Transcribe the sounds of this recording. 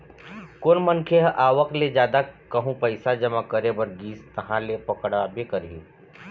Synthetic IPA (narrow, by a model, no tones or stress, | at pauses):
koːnmənkʰeɦʔaːʋəkled͡ʒjaːd̪akəɦũpɐɪsad͡ʒəmakəɾebəɾɡiːst̪ɐɦãlepɐkəɽabekəɾɦĩ